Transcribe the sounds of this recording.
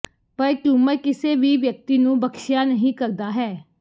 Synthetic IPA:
pəɾkjũːmɛ̃ːkɪseːʋiːʋjək̚t̪iːnũːbəkʃjaːnəɦĩːkəɾd̪aːɦɛː

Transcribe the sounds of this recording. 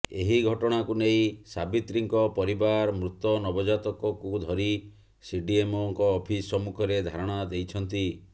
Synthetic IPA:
eɦiɡʱɔʈɔɽ̃akuneĩsabit̪ɾiŋkɔpɔɾibaɾmɾut̪ɔnɔbɔd͡ʒat̪ɔkɔkud̪ʱɔɾi | siɖiemoŋkɔːpʰisɔmukʰɔɾed̪ʱaɾɔɽ̃ad̪ejt͡ʃʰɔnt̪i

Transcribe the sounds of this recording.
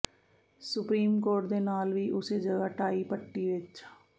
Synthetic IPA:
sʊpɾiːmkoːɾʈ̚d̪eːnaːlʋiːʔʊseːd͡ʒəɡaːʈaːiːpəʈːiːʋɪt͡ʃ

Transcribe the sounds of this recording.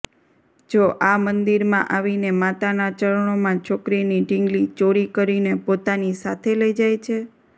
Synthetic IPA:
d͡ʒoʔamənd̪iɾmãʔaʋinemat̪anat͡ʃəɭɳ̃omãt͡ʃʰokɾiniɖɪŋɡlit͡ʃoɾikəɾinepot̪anisat̪ʰeləjd͡ʒajt͡ʃʰe

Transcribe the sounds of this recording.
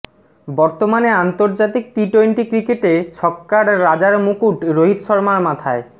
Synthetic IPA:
bɔɾt̪omaneant̪oɾd͡ʑat̪ik̚ʈɾiʈojnʈikɾikeʈet͡ɕʰɔkːaɾɾad͡ʑaɾmukuʈɾoɦit̪ʃɔɾmaɾmat̪ʰae

